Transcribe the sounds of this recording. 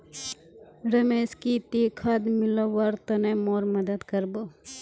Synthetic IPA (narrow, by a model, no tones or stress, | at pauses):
ɾɐmeːskit̪iːkʰad̪mɪloʋɐɾt̪ɐnẽmoːɾmɐd̪əd̪kɐɾbo